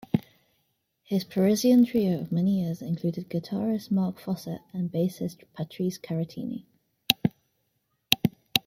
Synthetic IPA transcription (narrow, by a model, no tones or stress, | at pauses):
hɪz̥pʰəɹɪziə̃ntʰɹ̥iːəʊəvmɛnijɪəzɪ̃nkʰl̥ʉːdɪd̚ɡətʰɑːɹɪsmɑˑkfɒsə̰tə̃nbeɪsɪspʰatʰɹ̥iˑskʰaɹətʰḭːnḭ